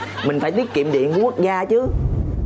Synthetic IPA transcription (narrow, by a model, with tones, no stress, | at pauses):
mï˨˩ŋ̟faː˧˩t̪i˦˥ət̚ki˧˨əmɗḭ˧˨ənkːku˦˥ək̚zaː˧t͡ɕɨ˨˦